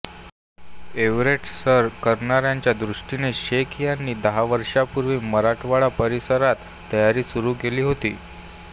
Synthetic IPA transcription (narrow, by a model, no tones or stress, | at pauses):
eʋɾeʈsəɾkəɾɳaɾjaɲt͡ɕjad̪ɾuʂʈineɕekijanːiːd̪əɦaʋəɾʂapuɾʋiːməɾaʈʰʋaɭapəɾisəɾat̪ːəjaɾiːsuɾuːɡeliːɦot̪iː